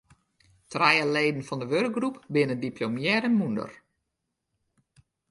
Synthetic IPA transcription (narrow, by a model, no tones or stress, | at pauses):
trɛjəleːdən̩fɔndəʋørk̚ɡrupbɪnədipʰlomjɛɾəmundə̰r